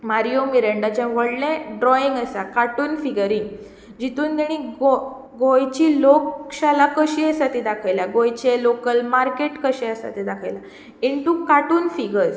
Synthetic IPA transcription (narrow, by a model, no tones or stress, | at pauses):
maɾijomiɾəɳɖat͡ɕãʋəɽlẽɖɾɔiŋɡəsakaʈuːnfiɡəɾiŋɡ | d͡ʑit̪uːnd̪eɽ̃ĩɡo | ɡojt͡ɕiːlokɕalakəɕiəsat̪id̪akʰajlaɡojt͡ɕelokəlmaɾkeʈkəɕɛəsa̰t̪id̪akʰajla | iɳt̪ukaʈuːnfiɡəɾ